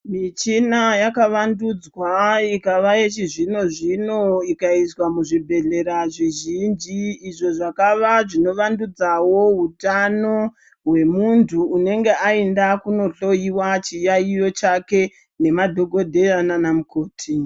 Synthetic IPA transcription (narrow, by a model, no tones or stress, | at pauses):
mit͡ʃinajakaʋandud͡zwaikaʋaet͡ʃiʐino̞ʐino̞ikaiswamuʐibʱe̞ɮe̞ɾaʐiʒind͡ʒiːʐo̞ʐakaʋaʐino̞ʋandud͡zawo̞ɦutano̞ | ɦwe̞muntʰuːne̞ŋɡe̞ʔaendakuno̞ɬo̞jiwat͡ʃijaijo̞t͡ʃake̞ | ne̞madʱo̞ɡʱo̞dʱe̞jananamukoːtʰi